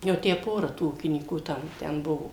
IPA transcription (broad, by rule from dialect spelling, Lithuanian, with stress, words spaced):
jɛʊ ˈtʲæː ˈpoːrɐ tuː ˈuːkʲɪnʲiːkuː ˈtɐm ˈtʲɛn ˈbʊʋoː